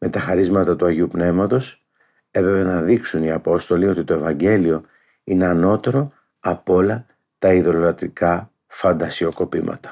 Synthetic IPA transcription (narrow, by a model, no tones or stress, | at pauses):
me̞t̪ɐxɐɾizmɐt̪ɐt̪uɐʝiupne̞vmɐt̪o̞s | e̞pɾepenɐðiksuniɐpo̞st̪o̞lio̞t̪it̪o̞e̞vɐɲɟe̞lio̞ | ine̞ɐno̞t̪e̞ɾo̞ | ɐpo̞lɐ | t̪ɐiðo̞lolɐt̪ɾikɐ | fɐnd̪ɐsio̞ko̞pimɐ̰t̪ɐ̥